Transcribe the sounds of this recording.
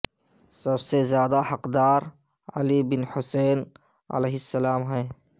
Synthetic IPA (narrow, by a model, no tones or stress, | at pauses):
sɐbsezjaːd̪ahɐqd̪aːɾ | ɐ̰libɪnhʊseːn | ɐ̰leːɦɪsːɐlaːmɦɛː